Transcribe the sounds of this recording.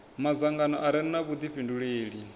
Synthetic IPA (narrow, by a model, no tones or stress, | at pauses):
mazaŋɡanɔʔaɾɛnnaβud̪iɸinduɺeːɺi